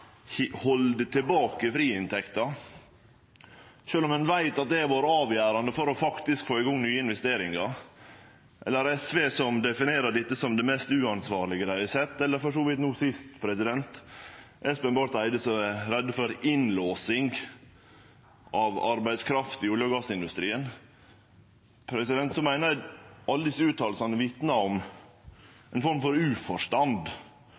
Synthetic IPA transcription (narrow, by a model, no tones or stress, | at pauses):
hhɔld̪ət̪ʰɪlbɑːkəfɾiːɪnt̪ʰɛkt̪ɑ | ʃøːlɔmhɛnʋæɪt̪ɑt̪̚d̪ɛɛɾʋoːɾɑːʋjæːɾɑnd̪əfɔɾɔfɑkt̪ɪskfoːɪɡɔŋːnyːəɪnʋɛst̪eːɾɪŋɑ | ʔɛlːəɾɛsʋeːsɔmd̪ɛfɪneːɾəɖɪt̪ːəsɔmd̪ɛmɛːst̪ʉːɑnsʋɑːɾlɪɡəd̪æɪɪsɛt̪ːɛlːəɾfɔʂoːʋɪt̪nuːsɪst̪pʰɾɛsɪd̪ɛnt̪ʔɛspɛnbɑːɾt̪æɪd̪əsɔæɾɾɛd̪ːəfɔɾɪnloːsɪŋɡ | ʔɑʋɑ̰ɾbæɪd̪skʰɾɑft̪ɪuːljəɡɑsɪnd̪ʉst̪ɾiːən | pʰɾɛsɪd̪ɛnt̪sɔmæɪnəʔɑld̪ɪsʉːt̪ʰɑːləsɑnʋɪt̪nɑɔm | ɛnfɔɾmfɔɾʉːfɔʂt̪ɑnd̪